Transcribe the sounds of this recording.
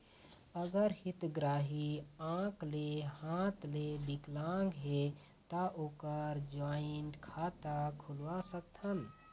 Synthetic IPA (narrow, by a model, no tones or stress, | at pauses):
əɡəɾhit̪ɡɾaɦiãklehãt̪lebiklãŋɡɦe | t̪aʔokəɾd͡ʒaɪnʈkʰat̪akʰulʋasək̚t̪ʰən